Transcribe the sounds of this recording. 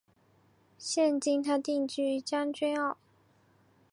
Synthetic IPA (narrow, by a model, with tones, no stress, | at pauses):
ɕjɛ˥˧˨nt͡ɕi˥nt̪ʰa˥t̪i˥˧ŋt͡ɕy˥˩t͡ɕjɑ˥ŋt͡ɕɛ˥nɑ˥˩ʊ